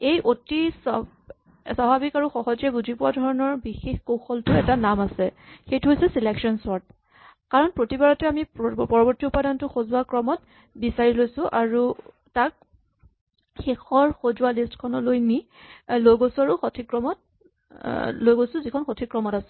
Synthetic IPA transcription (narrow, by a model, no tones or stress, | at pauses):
ejʔotis | sabʱabikaɹuxɔɦɔzɛbuzʱipʊwadʱɔɹɔnɔɹbixexkowxɔltʊɛtanamasɛxejtʊɦojsɛsilɛksiɔnsɔɹt | kaɹɔnpɹotibaɹɔtɛamipɔɹɔbɔɹtiʊpadantʊxozuakɹɔmɔt | bisaɹilojsʊ̃ʔaɹu | tak̚ | xexʰɔɹxozualistkʰɔnɔlojmi | lojɡosʊaɹuxɔtʰikɹɔmɔt̚ | lojɡojsʊ̃zikʰɔnxotʰikɹɔmɔtasɛ